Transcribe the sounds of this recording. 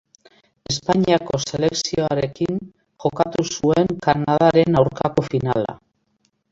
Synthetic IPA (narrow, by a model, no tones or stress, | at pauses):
e̞spaɲiako̞se̞le̞ksioaɾe̞kiŋ | ʝo̞kat̪usue̞ŋkaɾnaðaɾe̞nawɾkako̞fina̰la̰